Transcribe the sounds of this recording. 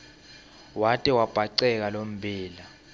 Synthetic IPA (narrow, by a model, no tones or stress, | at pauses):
watʼiwab̥ʱaǀɛk̬alom̩bʱiːla